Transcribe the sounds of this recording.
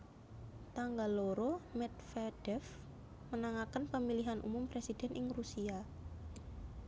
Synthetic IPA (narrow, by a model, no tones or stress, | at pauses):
t̪aŋɡaloɾomɛt̪̚fɛd̥ɛf | mənaŋakənpəmiliɦanʔṵmʊmpɾesid̥ɛnʔɪŋrusia